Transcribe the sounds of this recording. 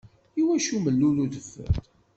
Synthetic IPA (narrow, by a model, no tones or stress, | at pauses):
iwæʃuməlːuluðəfːə̰t